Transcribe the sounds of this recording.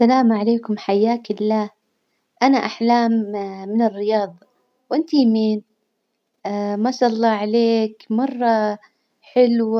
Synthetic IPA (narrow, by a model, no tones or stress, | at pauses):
alaːmʕaleːkʊmħajːaːkɪlːaː | ʔanaʔaħlaːmːɪnɪrːɪjɑːðˤɑ | wʔɪnt̪ijmiːn | masˤɑlˤːɑːʕaleːkmɑrˤːɑ | ħɪlwa